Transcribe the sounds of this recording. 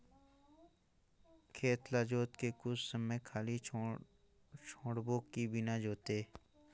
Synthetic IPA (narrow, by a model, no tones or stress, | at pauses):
kʰeːt̪lad͡ʒoːt̪kekʊt͡ʃʰsəməjkʰaːli | t͡ʃʰoːɽboːkːibɪnad͡ʒoːt̪eː